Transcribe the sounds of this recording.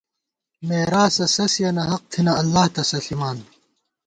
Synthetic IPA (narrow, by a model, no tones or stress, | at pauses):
meːɾaːsɐsɐsijɐnɐɦɐq̚t̪ʰinɐɐlːaːht̪ɐsɐɬimaːn